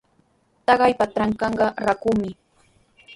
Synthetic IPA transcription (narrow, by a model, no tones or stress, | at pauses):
t̪ɑɢɑjpat̪ɾaŋkɑɴɢɑɾakumɪ